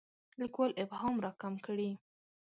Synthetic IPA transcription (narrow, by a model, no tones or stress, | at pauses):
d̪əkwalʔɪphɑmɾɑkamkəɽi